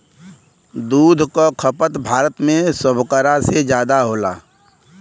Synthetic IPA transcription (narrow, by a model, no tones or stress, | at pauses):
d̪uːd̪ʱkokʰəpət̪bʱaːɾət̪mẽsʊbʱkəɾased͡ʒjaːd̪aɦoːla̰ː